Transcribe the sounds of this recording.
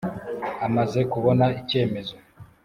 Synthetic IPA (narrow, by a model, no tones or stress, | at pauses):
amaze̞kuβo̞naice̞ːme̞zo̞